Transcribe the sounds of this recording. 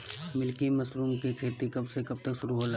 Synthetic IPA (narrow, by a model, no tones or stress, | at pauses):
mɪlkimɐsɾuːmkekʰeːt̪ikɐbsekɐb̚t̪əkʃʊɾuɦol